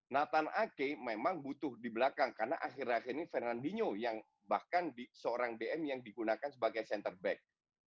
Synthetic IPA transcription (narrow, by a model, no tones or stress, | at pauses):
nat̪anʔakememaŋbut̪ʊhdibəlakaŋkarna̰ʔaxɪraxirnifɛrnandiɲojaŋ | bahkandisəoɾaŋdeɛmjaŋdiɡunakansəbaɡajsɛnt̪ərbɛk̚